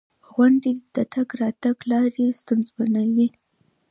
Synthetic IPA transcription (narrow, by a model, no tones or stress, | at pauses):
ɣwaɳɖed̪̥at̪aɡɾɑt̪aɡlɑɾest̪unzbanawi